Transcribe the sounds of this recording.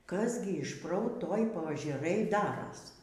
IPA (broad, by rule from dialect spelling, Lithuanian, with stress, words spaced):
kɐs ˈɡʲɪ ɪʃˈproːʊ ˈtoːj poːɐʒʲɛˈrɘj ˈdɑːroːs